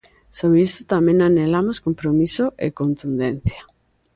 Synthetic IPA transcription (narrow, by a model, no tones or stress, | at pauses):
soβɾist̪ʊt̪amẽŋanelamoskompɾomisoʔḛkont̪und̪en̟θja